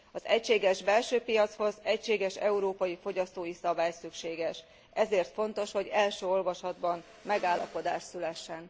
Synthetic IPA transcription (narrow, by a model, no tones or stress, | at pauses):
ɒzɛcʃeːɡɛʒbɛlʃøːpijɒt̪sho̞zɛcʃeːɡɛʃɛuɾoːpɒjifo̞ɟɒst̪oːjisɒbaːjsykʃeːɡɛʃ | ɛzeːrt̪fo̞nt̪o̞ʃho̞ɟɛlʃøːo̞lvɒʃɒd̪bɒn | mɛɡaːlːɒ̰po̞d̪aːʃsylɛʃːɛn